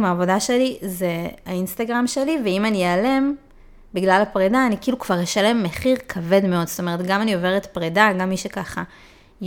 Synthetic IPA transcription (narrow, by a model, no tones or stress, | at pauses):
maːvo̞daʃe̞lizeainst̪aɡʁamʃe̞liveimanijeːle̞m | biɡlalapʁedaːnikiːlukv̥aʁjeʃale̞mːeχiʁkʰave̞dme̞o̞dstome̞ʁe̞tɡamanio̞veʁet̪pʁedaɡamːiʃekaχa | j